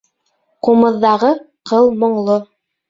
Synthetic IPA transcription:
qumɤ̆ðːɑʁɤ | qɤlˠmŏɴlˠo

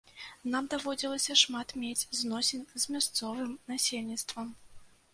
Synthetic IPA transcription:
namd̪avɔd͡zʲilˠɐsʲɐʂmat̪mʲed͡zʲznɔsʲenʲzmʲast̪sɔvɨmnasʲelʲnʲit̪st̪vɐm

